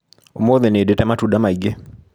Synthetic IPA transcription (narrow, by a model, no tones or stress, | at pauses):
omoðenedetamatudamaiɡe